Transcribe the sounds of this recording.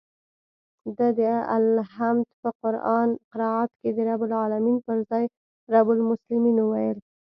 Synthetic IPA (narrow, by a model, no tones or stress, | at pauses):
d̪ad̪əa̰lɦamd̪pəqʊɾʔɑnqɪɾɑʕɑt̪ked̪əɾabʊlɑlaminpəɾzɑj | ɾabʊlmʊslɪminuwajəl